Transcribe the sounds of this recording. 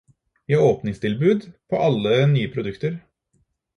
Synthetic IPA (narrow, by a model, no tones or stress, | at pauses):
ʋiːɑɾoːpnɪŋst̪ʰɪlbʉːd̪pʰɔʔɑlːənyːəpʰɾʊd̪ʉkt̪əɾ